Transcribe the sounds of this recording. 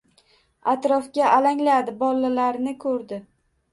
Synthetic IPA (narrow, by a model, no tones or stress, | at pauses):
at̪ɾɒfɡʲaʔalaŋlad̪ɪbɒlˠːalaɾnɪkʰɵɾd̪ɪ